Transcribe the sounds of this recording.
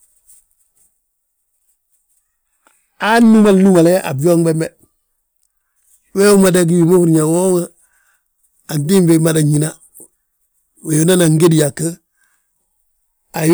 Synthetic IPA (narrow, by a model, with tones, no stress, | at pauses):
anːu˦ma˨lnu˦ma˨le˦ʔa̰˨bjo˦ŋbe˦me | we˦u˦ma˨da˦ɡi˦wi˨mo˦hu˦ɾɲa˨wo˦ŋa | a˨nti˦mbema˨da˨ɲi˨na | we˨ju˦na˦naŋɡe˦di˨ja˨kːə˦ | a˨j